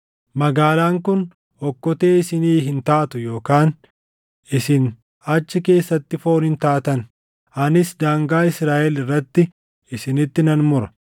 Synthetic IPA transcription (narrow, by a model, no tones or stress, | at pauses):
mɐɡaːlaːŋkʊn | hɔkːɔt̪e̞ːɪsɪniːɦɪnt̪aːt̪ʊjo̞ːkaːn | ɪsɪn | ɐt͡ʃːɪke̞ːsːɐt̪ːɪfo̞ːnɪnt̪aːt̪ɐn | ʔɐnɪsd̪aːŋɡaːɪsɾaːʔɛlɪrːɐt̪ːɪ | ɪsɪnɪt̪ːɪnɐnmʊɾɐ̥